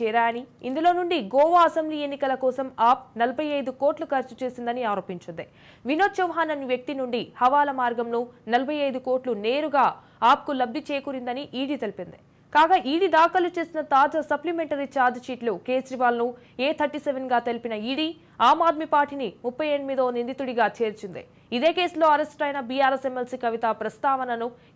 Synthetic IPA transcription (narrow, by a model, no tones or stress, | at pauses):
ɛːɾaːjɐniind̪ulo̞ːnuɳɖiɡɔːʋaɐsembliːe̞nːikɐlɐkɔːsɐmaːp̚nɐlɐbʱɐjɐjd̪uko̞ːʈlukɐɾt͡ʃu̥t͡ʃeːsind̪ɐniaːɾo̞ːpiɲt͡ʃund̪i | ʋinoːt̪t͡ʃɐʋɐɦaːnɐniʋjɐk̚t̪inuɳɖihɐʋaːlɐmaːɾɡɐmnunɐlɐbʱɐjɐjd̪uko̞ːɾʈlune̞ːɾuɡaː | aːp̚kulɐb̚d̪ʱit͡ʃeːkuɾind̪ɐniʔiːɽiːt̪ɐlipind̪i̥ | kaːɡɐʔiːɽid̪aːkɐlut͡ʃe̞ːsinɐt̪aːd͡ʒɐsɐplimeɳʈɐɾit͡ʃaːɾd͡ʒ̪ʃiːʈluke̞ːd͡ʒɾiʋaːlnu | eːt̪ʰɐɾʈiːseʋenɡaːt̪elipinɐiːɽiː | aːmaːd̪̚mipaːɾʈinimupːɐje̞ːɳɖimid̪oːnind̪it̪uɽiɡaːt͡ʃʰeːɾt͡ʃind̪ḭ | id̪e̞ːke̞ːsulo̞ːɐɾesʈʈɐjnɐbijaːɾesemelsiːkɐʋit̪ɐpɾɐst̪aːʋɐnɐnu